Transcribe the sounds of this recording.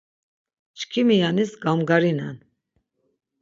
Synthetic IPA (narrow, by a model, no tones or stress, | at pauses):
t͡ʃkʰimijanisɡamɡaɾinan